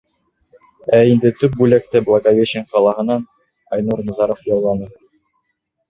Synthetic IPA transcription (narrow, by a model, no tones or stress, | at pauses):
æind̪ɘt̪ɵp̚bʉlæk̚t̪ɘblˠɑɡavʲeɕɘŋqɑlˠɑɦɤ̆nɑn | ɑjnuɾnɤ̆zɑɾofjɑlˠlˠɑnɤ